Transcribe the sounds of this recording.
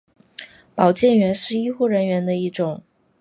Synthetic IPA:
pɑ˨˩ʊt͡ɕjɛ˥˩nɥɛ˧˥nʂɻ̩˥˩˧i˥xu˥˩ɻə˧˥nɥɛ˧˥nd̪ə˧i˥˩ʈ͡ʂʊ˨˩˦ŋ

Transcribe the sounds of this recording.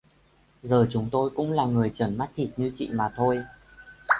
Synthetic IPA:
zəː˨˩t͡ɕʊ˨˦ŋ͡mt̪o˧jkʊ̰˧˥ŋ͡mlaː˨˩ŋɨ˨˩əjt͡ɕə˧˩nma˦˥t̚t̪ʰi˨˩t̚ɲɨ˧t͡ɕḭ˧˨maː˨˩t̪ʰo˧j

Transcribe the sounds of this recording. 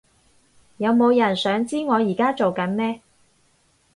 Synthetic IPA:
jɐ˨˧wmo˨˧wjɐ˨˩nsœː˨˥ŋt͡siː˥ŋɔː˨˧jiː˨˩kaː˥t͡so˨wkɐ˨˥nmɛː˥

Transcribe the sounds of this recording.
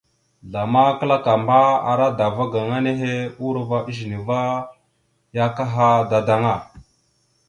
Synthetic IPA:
ɮa˨ma˦kə˦la˦ka˨mba˦a̰˨ɾa˦da˨va˦ɡa˨ŋa˦ne˦ɦe˦u˦ɾva˦ɗi˦ʒni˨va˦ | ja˦ka˦ɦa˦da˨da˦ŋa˦˨

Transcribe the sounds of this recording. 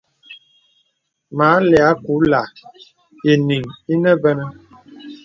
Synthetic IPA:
maː˨˦lɛ˨a˨˦ku˨˦la˨ | i˨ni˨ŋi˦nə˦bɛ˦nə˦

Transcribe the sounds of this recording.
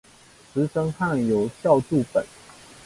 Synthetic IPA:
t͡sɹ̩˧˥˦ʂə˥ŋxa˥˩ŋjo˨˩ʊɕjɑ˥˧ʊʈ͡ʂu˥˨pə˨˩˦n

